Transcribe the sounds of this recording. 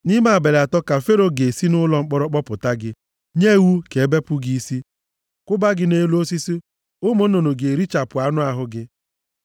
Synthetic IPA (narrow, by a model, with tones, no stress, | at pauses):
nɪ˦ma˨a˨be˨la˨tɔ˦ka˨fe˦ɾo˨ɡe˨si˦nʊ˦lɔ˨ŋ͡m̩˦k͡pɔ˦ɾɔ˦k͡pɔ˦pʊ˨ta˦ɡɪ˦ | ɲe˦˨wu˦ke˨e˦be˦pʊ˦ɡi˦si˦ | kʊ˦ba˦ɡɪ˦ne˦lu˦o˦si˦si˦ | ʊ˦mo˦n̩˦o˨no˨ɡe˨ɾi˦t͡ʃa˨pʊ˨a˦nʊ˦a˨ɦʊ˦ɡɪ˦